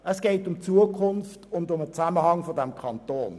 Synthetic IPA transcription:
əsɡ̥eɪtʊmt͡suəkʰʊnftʊndʊmət͡saməhɑŋfodɛmkʰɑntoːn

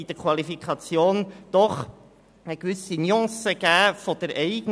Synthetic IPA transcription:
id̪̥əɾkʰwɑlifikʰɑt͡sjoːnd̪̥ɔχ | əkʋʏsiniɑ̃ːsəɡ̥æːfɔd̥əɾɛɪɡn

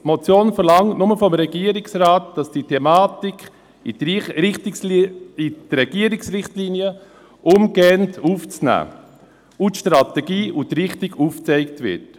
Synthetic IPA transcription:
mɔt͡sjoːnfəɾlɑŋtnʊməfɔmɾɛɡ̥iəɾɪksrɑːtd̥ɑsd̥iːtʰɛmɑːtikχ | ɪtsidɾɛɡ̥iːəɾɪksrɪχtliniə | ʔʊmɡɛːntʰuːft͡snæ̰ː | utʃtɾɑtɛɡiːʔutɾɪχtɪɡuːft͡sɛɪk̚tʋɪ̰t

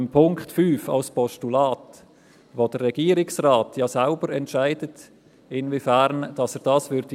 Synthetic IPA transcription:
mpʰʊŋkχtfyːfɑ̰lspɔstulɑːt | ʋodəɾːɛɡ̥iːəɾɪksraːtʰjɑːsaʊbəɾɛntʃaɪdət | ɪnvifæɾnd̥ɑsɛːɾd̥ɑːsvʏɾd̥i

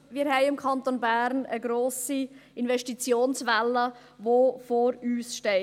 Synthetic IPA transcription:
miːɾhɛɪɪmkʰɑnt̪onbæɾnəɡɾoːsiʔɪnvɛʃtit͡sjoːnsvɛlːə | ʋofoɾyːsʃtɛɪ

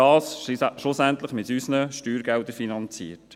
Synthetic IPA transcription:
ɑːsʃʊsæntləχmɪtysnəʃtyːɾɡɛldəɾfinɑnt͡sḭːəɾt

